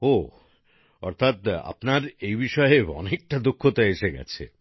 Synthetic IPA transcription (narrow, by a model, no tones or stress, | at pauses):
o | ɔɾt̪ʰat̪a̰pnaɾejbiʃɔeeɔ̰nek̚ʈad̪okʰːot̪aeʃeɡɛ̰t͡ɕʰḛ